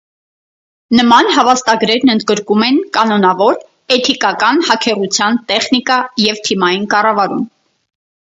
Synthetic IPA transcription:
nəmɑnɦɑvɑst̪ɑɡɾɛɾnənd̪ɡəɾkumɛnkɑnɔnɑvɔɾ | ɛt̪ʰikɑkɑnhɑkʰɛʁut͡sʰjɑnt̪ɛχnikɑjɛvt̪ʰimɑjinkɑrɑvɑɾum

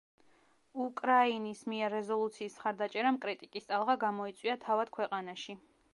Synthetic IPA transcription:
ukʼɾainismiɛɾːɛzɔlˠut̪sʰiːsmχaɾd̪at͡ʃʼɛɾamkʼɾit̪ʼikʼist̪ʼalˠʁaɡamɔit̪sʼwiat̪ʰavad̪̥̚kʰwɛqʼanaʃi

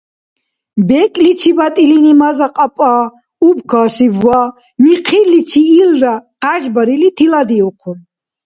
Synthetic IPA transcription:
bɛkʼlit͡sʰibat̪ʼilinimazaqʼapʼaː | ubkʰaːsivːa | miqʰilːit͡sʰiːlraqaʒbaɾilit̪ʰilad̪iɔqʰun

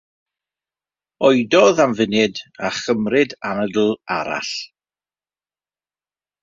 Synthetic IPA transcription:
ɔjdɔðamvɪnɨdaχəmrɪdanədl̩ˠaɾa̰ɬ

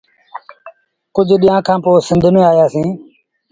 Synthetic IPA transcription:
kʊd͡ʒʱɗijãːkʰãːpoːsɪ̃nd̪ʱnẽːaːjaːsĩː

